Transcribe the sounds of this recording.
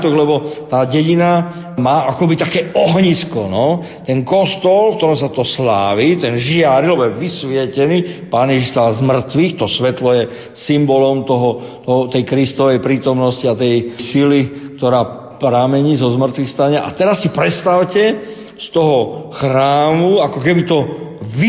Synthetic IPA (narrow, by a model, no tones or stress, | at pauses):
t̪ɔɣlɛbɔt̪aːɟɛɟina | maːʔakɔbit̪akɛːɔɦɲiskɔnɔ | t̪ɛnkɔst̪ɔlfkt̪ɔɾɔmsat̪ɔslaːʋit̪ɛnʒɪaɾilɛbɔjɛʋisʋɪɛcɛniːpaːnjɛʒiʃst̪alzmr̩t̪ʋixt̪ɔsʋɛt̪lɔjɛ | simbɔlɔmt̪ɔɦɔ | t̪t̪ɛjkɾist̪ɔʋɛjpɾiːt̪ɔmnɔsciat̪ɛjsilik̚t̪ɔɾaː | pɾamɛɲiːzɔzmr̩t̪ʋixst̪aɲɪaʔa̰t̪ɛɾasːipɾɛt̪st̪awcɛ | st̪ɔɦɔxɾaːmuakɔkɛbit̪ɔʋi